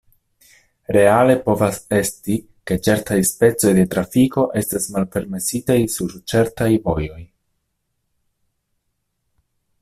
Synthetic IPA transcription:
ɾe̞ale̞po̞vase̞sti | ke̞t͡ʃe̞ɾtajspe̞t͡so̞jd̪e̞tɾafiko̞ʔe̞stasmalpe̞ɾme̞sitajsuɾt͡ʃe̞ɾtajvo̞jo̞j

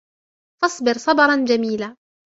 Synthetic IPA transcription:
fɑsˤbɪɾsˤɑbɑɾˤɑnd͡ʒamiːlaː

